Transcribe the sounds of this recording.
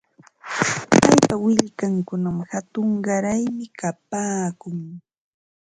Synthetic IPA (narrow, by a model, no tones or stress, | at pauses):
pajpawɪʎkaŋkʊnamhat̪ʊɴɢɑɾajmɪkap̚aːkʊŋ